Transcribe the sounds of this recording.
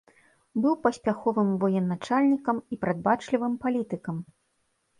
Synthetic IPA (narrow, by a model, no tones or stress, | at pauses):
bɨwpɐsʲpʲaxɔvɨmvɔjɛnːat͡ʂalʲnʲikɐmipɾad̪̚bat͡ʂlʲivɨmpalʲit̪ɨkɐm